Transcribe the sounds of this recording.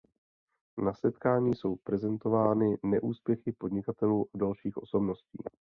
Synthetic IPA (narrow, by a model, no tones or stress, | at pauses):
nasɛt̪kaːɲiːso̞wpɾɛzɛnt̪o̞vaːnɪnɛʔuːspjɛxɪpo̞dɲɪkat̪ɛluːʔadalʃiːxʔo̞̰so̞bno̞scḭː